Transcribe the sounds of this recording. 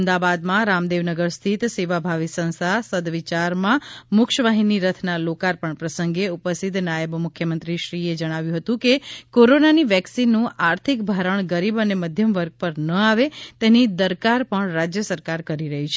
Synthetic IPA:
md̪abad̪mãɾamd̪eʋnəɡəɾst̪ʰit̪seʋabʱaʋisə̃ñst̪ʰasəd̪ʋit͡ʃaɾmãmʊkʃəʋaɦiniɾət̪ʰnalokaɾpəɳpɾəsəŋɡeupəst̪it̪najəbmʊkʰjəmənt̪ɾiʃɾied͡ʒəɽ̃aʋjũɦət̪ũkekoɾonaniʋɛksinːũʔaɾt̪ʰikbʱaɾəɳ̃ɡəɾibəneməd̪ʱjəmʋəɾɡ̚pəɾnəaʋet̪enid̪əɾkaɾpəɳɾad͡ʒjəsəɾkaɾkəɾiɾəɦit͡ʃʰe

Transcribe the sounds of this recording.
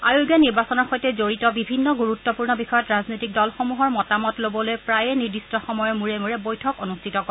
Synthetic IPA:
ajuɡɛniɹbasɔnɔɹxojtɛzoɹitɔbibʱinːɔɡuɹutːɔpuɹnɔbixɔjɔtɹaznojtik̚dɔlxɔmuɦɔɹmɔtamɔtlobɔlojpɹajɛniɹdistɔxɔmɔjɔmuɹɛmuɹɛbojtʰɔkɔnustʰitɔkɔ

